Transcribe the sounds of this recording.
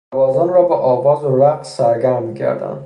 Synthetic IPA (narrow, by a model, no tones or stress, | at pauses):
æbɒːzɔnɾɒːbeʔɒːvɒːzoɾæqsæɾɡæɾmicʰæ̰ɾd̪æ̰nd̪